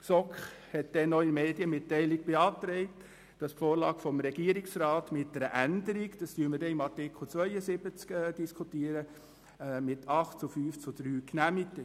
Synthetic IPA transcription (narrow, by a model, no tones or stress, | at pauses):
sɔkχ | hɛtd̥ɛnːɔɪnmeːdiəmɪtːɛɪlɪɡ̚b̥eɑːt̪ɾɛɪt | d̥ɑsfoːɾlɑːɡ̥fɔmɾɛɡiːəɾɪksɾɑːtmɪt̚dɛɾəʔændəɾikd̥ɑstyːəmədɛɪmɑɾtɪkʰl̩ˠt͡sʋœʏəsɪbət͡skːd̥iskʰutiəɾə | mɪtʰɑχtt͡sʊfyːft͡sʊd̥ɾyːknæmitə